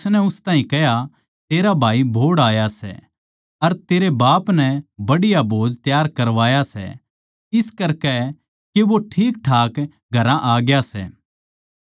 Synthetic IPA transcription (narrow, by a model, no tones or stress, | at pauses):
snɛʊst̪aːɦĩkɛɦja | t̪eːɾabʱaːibʱoːɽaːjasɛ̰ | ɐɾt̪eːɾebaːpnɛbɐɽɪjabʱoːd͡ʒt̪jaːɾkɐɾʋaːjasɛ̰ | ɪskɐɾkɛ | keʋoʈʰiːk̚ʈʰaːk | ɡʱɐɾãʔaːɡjasɛ̰ː